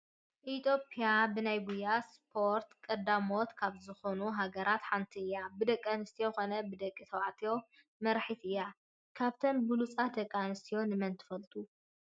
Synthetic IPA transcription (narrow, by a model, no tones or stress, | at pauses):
ʔit̪ʰo̞pʼijabɨnajɡujːaspʰo̞ɾt̪kʼɐd̪amot̪kʰaβzɨxo̞nuɦaɡɐɾat̪ħant̪ʰiɨjːabɨd̪ɐkʼːɐnɨst̪ʰijoxo̞nɐbɨd̪ɐkʼːit̪ʰɐwaʕt̪ʰijo̞ | mɐɾħit̪ɨjːa | kʰaβt̪ʰɐmbɨlut͡sʼad̪ɐkʼːanɨst̪ʰijo̞nɨmɐnt̪ʰɨ̥fɐlt̪ʼu